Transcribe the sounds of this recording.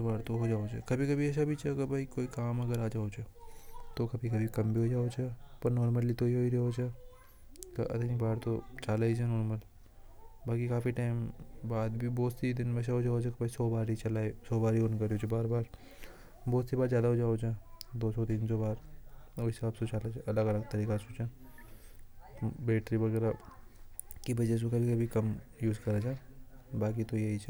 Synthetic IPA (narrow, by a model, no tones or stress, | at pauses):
baːɾt̪oɦoːd͡ʒaːod͡ʒʰekɐbʱikɐbʱiɛʃabʱit͡ʃɐɐɡəbaːikoːikaːmɐɡəɾaːd͡ʒaːot͡ʃʰet̪okɐbʱikɐbʱikɐmbʱiɦoːd͡ʒaːot͡ʃʰɛpɐɾnɔːɾməlit̪oɦiɦoːiɾeoːt͡ʃɛ | k̪ʔɐ̰t̪enibaːɾt̪ot͡ʃaːlaːid͡ʒʰɛnɔːɾməl | baːkikaːfiʈaːɪmbaːd̪bʱiboːt̪sid̪ɪnmɛʃ̬aɦoːd͡ʒaːod͡ʒʰakbaisɔːbaːɾit͡ʃɐlaːesɔːbaːɾionkɐɾiot͡ʃebaːɾbaːɾ | bɔːt̪sibaːɾzjaːd̪aɦoːd͡ʒaːod͡ʒaːd̪oːsɔt̪iːnsobaːɾoɪsaːbsot͡ʃaːlad͡ʒɐləɡɐləɡ̚t̪ɐɾiːkasut͡ʃãː | beːʈɾibɐɣɛːɾa | kibɐd͡ʒes̬okɐbʱikɐbʱikɐmjuːzkɐɾad͡ʒaːbaːkit̪ojɐɦit͡ʃʰː